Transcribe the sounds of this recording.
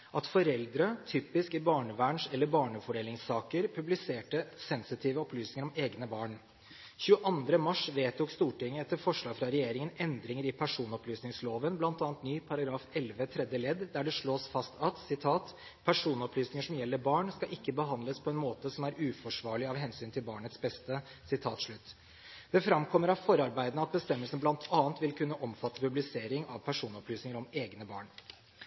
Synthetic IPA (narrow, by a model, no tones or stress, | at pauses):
ʔɑt̪fɔɾɛld̪ɾət̪ʰyːpɪskɪbɑːɳəʋæːɳʂɛlːəɾbɑːɳəfɔɖeːlɪŋsɑːkəɾpʰʉblɪseːʈəsɛnsɪt̪ʰiːʋəɔplyːsnɪŋəɾɔmeːɡnəbɑːɳ | çʉːəʔɑnd̪ɾəmɑʂʋeːt̪ʰʊkst̪uːʈɪŋːəɛt̪ːəɾfɔʂlɑːɡfɾɑɾɛjeːɾɪŋənɛnd̪ɾɪŋəɾɪpʰæʂuːnɔplyːsnɪŋsloːʋənblɑnt̪ɑːɑnt̪nyːpʰɑɾɑɡɾɑːfɛlʋət̪ʰɾɛd̪jəlɛd̪d̪æɖɛʂɭoːsfɑst̪ʰɑt̪sɪt̪ʰɑːt̪ | pʰæʂuːnɔplyːsnɪŋəʂɔmjɛlːəɾbɑːɳskɑʔɪkːəbəɦɑnd̪ləspʰɔɛnmoːt̪əsɔmæɾʉːfɔʂʋɑːɭɪɑʋɦɛnsyːnt̪ʰɪlbɑːɳət̪sbɛst̪ə | sɪt̪ʰɑːt̪ʂɭʉt̪ː | d̪̥ɛfɾɑmkʰɔmːəɾɑʋfɔɾəɑɾbæɪd̪ənɑt̪̚bəst̪ɛmːəlsənblɑnt̪ʰɑːnt̪ʋɪlkʰʉnːəʔɔmfɑt̪ːəpʉblɪseːɾɪŋʔɑ̰ʋpʰæʂuːnɔplyːsnɪŋəɾɔmeːɡnəbɑ̰ːɳ